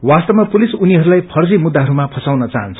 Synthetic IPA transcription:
wast̪ʌbmapulisuniɦʌɾulajpʰʌrd͡zimud̪ːaɦʌɾumapʰʌsawnʌt͡saɦʌnt͡sʰ

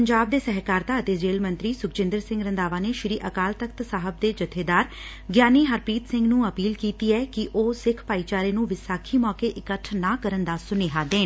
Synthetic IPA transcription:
əɲd͡ʒaːb̚d̪eːsɛɦkaːɾt̪aːət̪eːd͡ʒeːlmə̃nt̪ɾiːsʊkt͡ʃɪ̃nd̪əɾsɪ̃ŋɡɾənd̪aːʋaːneːʃɪɾiːʔəkaːlt̪əkt̪saːɦəb̚d̪eːd͡ʒət̪ʰeːd̪aːɾ | ɡjaːniːɦəɾpiːt̪sɪ̃ŋɡnũːəpiːlkiːt̪iːɛːkɪʔoːsɪkʰpaːiːt͡ʃaːɾeːnũːʋɪsaːkʰiːmɔːkeːʔɪkəʈʰnaːkəɾənd̪aːsʊneːɦaːd̪eː

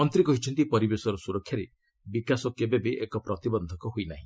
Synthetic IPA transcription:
ɔnt̪ɾikɔɦit͡ʃʰɔnt̪ipɔɾibesɔɾɔsuɾɔkʰːjaɾe | bikasɔkebebeʔekɔpɾɔt̪ibɔnd̪ʱɔkɔɦojnaɦĩ

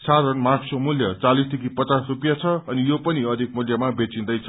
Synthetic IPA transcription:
saɾʌnmarksomuljʌt͡salist̪ikipʌt͡sasrupjat͡sʰʌːnijopʌniʌd̪ʱik̚muljʌmabet͡sĩnd̪ʌjt͡sʰʌ

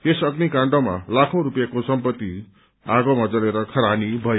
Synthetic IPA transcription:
esʌɡnikãɳɖoma̰lakʰõɾupjakosʌmpʌt̪ːi | aɡomad͡zʌɾeɾʌkʰʌɾanibʱʌje

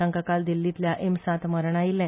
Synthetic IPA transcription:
ãŋkakald̪ilːit̪ljaʔemsãt̪məɾɳailːã

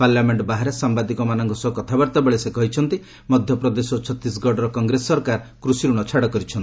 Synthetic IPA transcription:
paɾljameɳʈbaɦaɾesambad̪ikɔmanɔŋkɔsɔɦukɔt̪ʰabaɾt̪abeɭesekɔɦit͡ʃʰɔnt̪i | mɔd̪ʱjɔpɾɔd̪esɔt͡ʃʰɔt̪ːis̬ɡɔɖɔɾɔkɔŋɡɾesːɔɾkaɾkɾusiɾuɽ̃ɔt͡ʃʰaɽɔkɔɾit͡ʃʰɔni

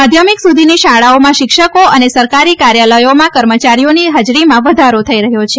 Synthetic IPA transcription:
mad̪ʱjəmiksud̪ʱiniʃaɭaomãʃɪkʃəkoənesəɾkaɾikaɾjaləjomãkəɾmət͡ʃaɾijoniɦəd͡ʒɾimãʋəd̪ʱaɾot̪ʰəiɾəɦjot͡ʃʰe

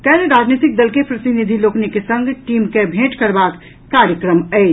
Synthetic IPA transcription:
kɛːneɾaːd͡ʒnit̪ɪk̚d̪əlkepɾɐt̪inid̪ʱiloːknikesə̃ŋɡʈiːmkebʱẽːʈkɐɾbaːk | kaːɾjəkɾəmɛː

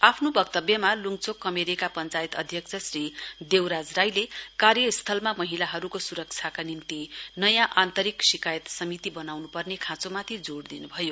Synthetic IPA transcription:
apʰnobʌkt̪ʌbjʌmaluŋt͡sokːʌmeɾikapʌnt͡sajt̪ʌd̪ʱjʌk̚t͡sʰʌsrid̪ewɾad͡zrajlekarjʌist̪ʰʌlmamʌɦilaɦʌɾukosuɾʌk̚t͡sʰjakanimt̪inʌjãʔant̪ʌɾiksikajʌt̪sʌmit̪ibʌnawnupʌrnekʰãt͡somat̪ʰid͡zoɽd̪inubʱʌjo

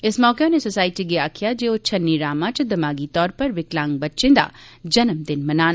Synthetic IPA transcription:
ɪsmɔːkenesosaːɪiʈiɡeaːkʰijad͡ʒeːot͡ʃʰɐnːiɾaːmãt͡ʃɐd̪ɐmaːɡit̪ɔːɾpɐɾʋɪklãːŋɡ̚bɐtːʃẽd̪a̰ːd͡ʒɐnəmd̪ɪnmɐnaːn

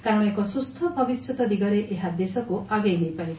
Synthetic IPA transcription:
kaɾɔɽ̃ekɔsust̪ʰɔbʱɔbisɔt̪ɔd̪iɡɔɾeʔeɦad̪esɔkuaɡejnejpaj

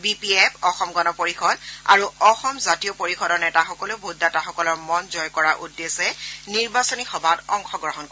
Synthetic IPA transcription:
bipiɛpɔxɔmɡɔnɔpoɹixɔda̰ɹuɔxɔmzatijɔpoɹixɔdɔɹnɛtaxɔkɔlʊbʱudːataxɔkɔlɔɹmɔnzɔjkɔɹaʔudːesɛniɹbasɔnixɔbʱatɔŋxɔɡɹɔɦɔnkɔɛ

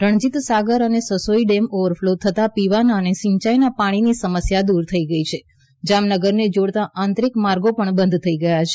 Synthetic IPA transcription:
ɾəɳ̃d͡ʒit̪saɡəɾənesəsoiɖemoʋəɾfʰlot̪ʰət̪apiʋanənesɪ̃ɲt͡ʃajnapaɽ̃inisəməsjad̪uɾt̪ʰəiɡəit͡ʃʰe | d͡ʒamnəɡəɾned͡ʒoɽt̪aʔãnt̪ɾikmaɾɡopəɳbə̃nd̪ʱt̪ʰəiɡəjat͡ʃʰe

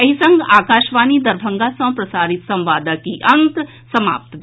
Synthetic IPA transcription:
ɐɦisɐ̃ŋɡaːkaːʃʋaːnid̪ɐɾbʱə̃ŋɡasɐ̃pɾɐsaːɾit̪sɐ̃mʋaːd̪akiʔɐ̃nk̪ | sɐma̰ːp̚t̪b

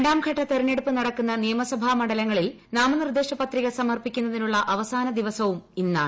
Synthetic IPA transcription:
ɳɖaːmɡʱɐʈːɐt̪eɾɐne̞ɽupːɨnɐɽɐkːunːɐnijɐmɐsɐbʱamɐɽɐlɐŋːɐɭil | naːmɐnird̪eːʂɐpɐt̪riɣɐsɐmɐrpikʲːunːɐðinuɭːɐʔɐʋɐsaːnɐd̪iʋɐsɐʋuminːaː

